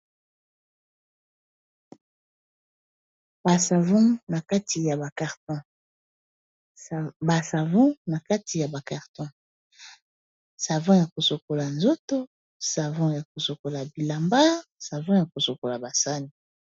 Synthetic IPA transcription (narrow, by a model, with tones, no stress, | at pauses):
b̥a˨sa˨vɔ̃˦na˨ka˦ti˨ja˨ba˨ka˨ʁtɔ̃˦ | ba˨sa˨vɔ̃˦na˨ka˦tʰi˨ja˨ba˨ka˨ʁtɔ̃˦ | sa˨vɔ̃˦ja˨ko˨so˨ko˨la˨nzo˦to˦ | sa˨vɔ̃˦ja˨ko˨so˨ko˨la˨bi˨la˨mba˦sa˨vɔ̃˦ja˨ko˨so˨ko˨la˨ba˨sa˦ni˨